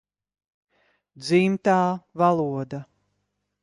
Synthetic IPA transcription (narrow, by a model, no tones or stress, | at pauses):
d̪zimt̪aːvalˠuɔd̪a